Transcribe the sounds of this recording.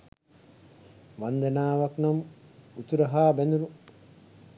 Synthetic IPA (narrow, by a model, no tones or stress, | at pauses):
ʋand̪ɐnaːʋaknamut̪uɾɐɦaːbɛnd̪uɾu